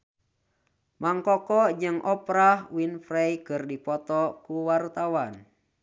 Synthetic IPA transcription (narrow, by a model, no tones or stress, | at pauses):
maŋkɔkɔd͡ʒɨŋʔɔpɾahwinfɾɛjkɨrdipɔt̪ɔkuwart̪awan